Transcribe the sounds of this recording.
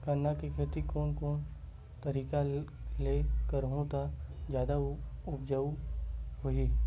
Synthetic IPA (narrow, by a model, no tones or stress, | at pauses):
kənːakikʰet̪ikoːnkoːn | t̪əɾiːkalekəɾɦõt̪ad͡ʒjaːd̪aʊpd͡ʒəuɦoi